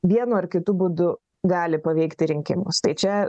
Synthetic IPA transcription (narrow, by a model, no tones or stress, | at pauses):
ʋʲiɛnʊɐrkʲɪt̪ʊbuːd̪ʊ | ɡɑːlʲɪpɐʋʲɛɪkt̪ʲɪɾʲɪŋʲkʲɪmʊst̪ɐɪt͡ʃʲɛ